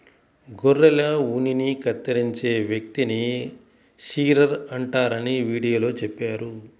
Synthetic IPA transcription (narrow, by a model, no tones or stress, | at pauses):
ɡorːɐlɐuninikɐt̪ːɐɾiɲt͡ʃe̞ːʋjɐk̚t̪ini | ʃiːɾɐɾɐɳʈaːɾɐniʋiːɽijoːlo̞ːt͡ʃepːaːɾu